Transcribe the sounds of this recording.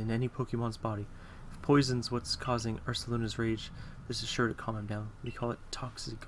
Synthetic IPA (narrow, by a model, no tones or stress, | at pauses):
ɨ̃nɛnipʰoʊkɨmɑ̃nzb̥ɑɾi | ɨfpʰɔɪzɨ̃n̩zwʌtskʰɔzɪ̃ŋɑɹsəlõnɨzɹeɪd͡ʒðɪsɨz̥ʃʊɹɾɨkʰɑ̃mə̃mdãʊ̃nwikʰɔlˠətʰɑksɨɡ